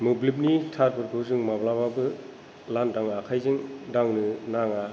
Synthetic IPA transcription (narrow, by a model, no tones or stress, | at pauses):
mɯblip̬̚nitʰat̚pɯɾkʰɯwzɯŋmablababɯ | landaŋakʰajzɯŋdaŋnɯnaŋa